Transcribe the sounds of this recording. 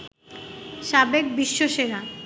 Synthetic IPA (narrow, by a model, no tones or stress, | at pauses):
ʃabek̚biʃːoʃeɾa